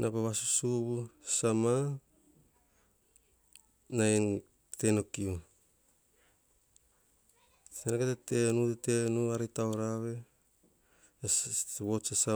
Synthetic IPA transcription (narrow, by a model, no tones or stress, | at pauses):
nʔapaβasusuβusama | na | tenokiu | senaketete̞nutetenuaɾitawɾaβe | βosasa